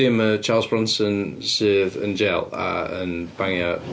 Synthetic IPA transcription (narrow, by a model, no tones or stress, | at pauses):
emət͡ʃʰɑːlˠzbɹʌ̃nsə̃nsəːvə̰̃nd͡ʒɛlˠə̰ə̰̃nb̥ãŋəʔ